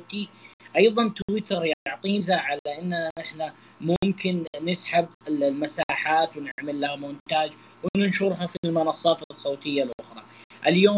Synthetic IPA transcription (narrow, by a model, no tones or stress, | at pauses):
t̪iʔɑjðˤɑnt̪wɪt̪ɑɾjʕt̪ˤiːzaːʕalaʔɪnːaʔɪħna | mʊmkɪnːɪsħabɪlmasaːħaːt̪wnɪ̰ʕmalːamʊnt̪aːd͡ʒ | wnɪnʃuɾɦafilmʊnɑsˤːɑːt̪sˤːoːt̪ɪjːalʔʊxɾˤɑʔɪljoː